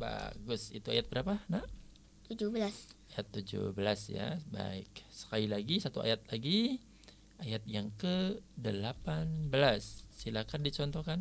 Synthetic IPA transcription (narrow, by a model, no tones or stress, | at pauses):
ba̰ɡʊsit̪ua̰jat̪̚bəɾapanaʔ | t̪ud͡ʒubəlasajat̪ːud͡ʒṵbəlasja̰ba̰ɪksə̥kalilaɡisat̪ua̰jat̪̚laɡi | ajat̪̚jaŋkədəlapanbəlasːilakandit͡ʃɔnt̪ɔkan